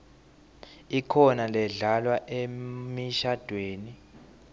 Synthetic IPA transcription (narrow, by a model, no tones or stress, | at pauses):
ikʰɔnalɛɮalwaʔemiʃad̥ʱweːni